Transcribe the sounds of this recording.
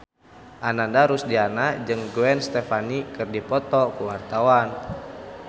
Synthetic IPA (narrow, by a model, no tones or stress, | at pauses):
ʔanandaɾusdianad͡ʒɨŋɡuɛnst̪ɛfanikɨrdipɔt̪ɔkuwart̪awan